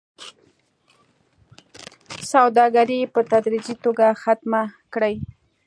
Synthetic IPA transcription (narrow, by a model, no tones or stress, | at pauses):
sawd̪ɑɡaɾipət̪ad̪ɾid͡ʒit̪oɡaxat̪makɽəj